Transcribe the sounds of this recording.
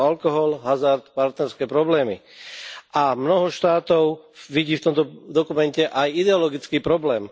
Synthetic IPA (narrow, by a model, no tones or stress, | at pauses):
alkɔɦɔlɦazaɾt̪paɾt̪nɛɾskɛːpɾɔblɛːmḭ | ʔamnɔɦɔʃt̪aːt̪ɔʊʋiɟiːft̪ɔmt̪ɔd̪ɔkumɛncɛʔajid̪ɛɔlɔɡit͡skiːpɾɔblɛːm